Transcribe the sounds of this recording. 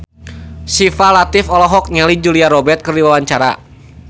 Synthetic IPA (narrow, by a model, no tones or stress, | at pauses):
sifalat̪ɪfɔlɔɦɔk̚ɲalid͡ʒuliaɾɔbɛrt̪̚kɨrdiwawaɲt͡ʃaɾa̰